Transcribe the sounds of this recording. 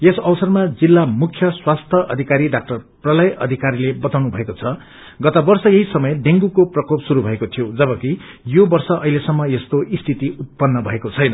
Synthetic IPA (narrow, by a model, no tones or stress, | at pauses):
esʌwsʌrmad͡zilːamukʰːjʌswast̪ʰjʌʔʌd̪ʱikaɾiɖak̚ʈʌrprʌlʌjʌ̰d̪ʱikaɾilebʌt̪awnubʱʌekot͡sʰʌ | ɡʌt̪ʌbʌrsʌjʌɦisʌmʌjɖeŋɡukoprʌkopsuɾubʱʌekot̪ʰijod͡zʌbʌki | jobʌrsʌʔʌɦilesʌmːʌest̪oʔist̪ʰit̪iut̪̚pʌnːʌbʱʌekot͡sʰʌjnʌ